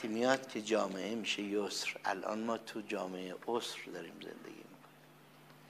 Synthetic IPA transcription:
imijɒːd̪̥kʲʰed͡ʒɒːmeʔemiːʃejosɾʔæ̰lʔɒ̰ːnmɒːt̪ʰud͡ʒɒːmeʔeʔosɾd̪ɒɾiːmzḛnd̪ḛɡʲḭːmikʰoni

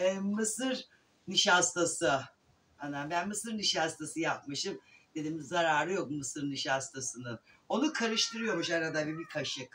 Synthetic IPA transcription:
ɛmɯsɯɾ | niʃast̪ʰasɯ | ananbænmɯsɯɾniʃast̪ʰasɯjap̚mɯʃɯmd̪̥e̞d̪iːmizːaɾaːɾɯjok̚mɯsɯɾniʃast̪ʰasɯnɯn | o̞nukʰaɾɯʃt̪ɯɾɯjo̞ɾmuʃanad̪abibikʰaʃjak

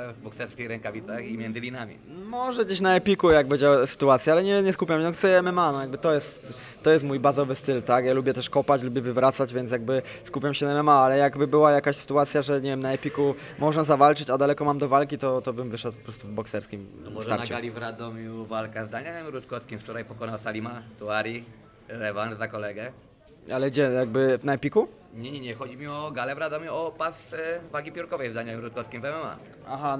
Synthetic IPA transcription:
vbɔksɛɾskʲejɾɛŋkavʲit̪saximʲjɛnd̪zɘlʲinamʲḭ | mɔʐɛd͡ʑeɕnaɛpʲikujaɡbɘd͡ʑawɛsɘ̥t̪uat̪sʲjaalɛɲɛɲɛskupʲjamɛnɔxt̪ɛjɛɛmɛmanɔjaɡbɘt̪ɔjɛst̪ː | ɔjɛst̪mujbazɔvɘst̪ɘlt̪akjalubʲjɛt̪ɛʂkɔpat͡ɕlubʲjɛvɘvɾat̪sad͡ʑvʲjɛnt̪sjaɡ̚bɘ | skupʲjamɕɛnaɛmɛmaalɛjaɡbɘbɘwajakaɕsɘ̥t̪uat̪sʲjaʐɛɲɛvʲjɛmnaɛpʲikumɔʐɛzavalt͡ʂɘt͡ɕad̪alɛkɔmamd̪ɔvalkʲit̪ɔt̪ɔbɘmvɘʂɛt̪pɔ̥pɾɔst̪uvbɔksɛɾskʲimɔmɔsʒt̪aɾnat͡ɕuɡalʲivɾad̪ɔmʲjuvalkazd̪aɲaɛmɾut̪̚kɔskʲimft͡ʂɔɾajpɔkɔnawsalʲimat̪uaɾʲi | ɾɛvanzakɔlɛɡɛ | alɛɡd͡ʑɛjaɡ̚bɘnaɛpʲiku | ɲɛɲɛɲɛxɔd͡ʑimʲiɔɡalɛvɾad̪ɔmʲjuɔpasvaɡʲipʲjɔɾkɔvɛjzd̪aɲaɛmɾut̪̚kɔskʲimvɛmɛma̰ | aɦa

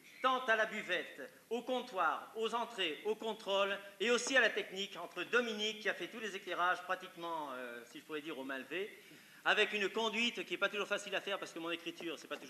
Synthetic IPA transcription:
t̪ɑ̃t̪alabyvɛt̪ | okɔ̃t̪waʁozɑ̃t̪χeokɔ̃t̪χoleosialat̪ɛknikɑ̃t̪χəd̪ɔminikːiafɛt̪ulezekleʁaʒpχat̪ikmɑ̃øsiʒəpuʁɛd̪iʁomɛ̃lve | avɛkynkɔ̃d̪ɥit̪kʲiɛpat̪uʒuʁfasilafɛʁpaʁsə̥kəmɔ̃nekχit̪yʁsɛpat̪uʒ

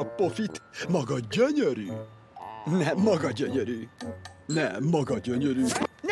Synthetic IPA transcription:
ɒpofit̪mɒɡɒɟøɲøɾyː | nɛmːɒɡɒɟøɲøɾyːnɛmːɒɡɒɟøɲøɾyːn

